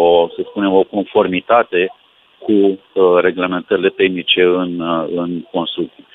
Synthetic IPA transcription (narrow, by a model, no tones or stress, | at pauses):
osəspune̞mo̞ko̞nfo̞rmit̪at̪e̞ | kʰu | re̞ɡleme̞nt̪əɾile̞t̪e̞xnit͡ʃe̞ɨnɨnko̞nst̪ɾuk̚t̪si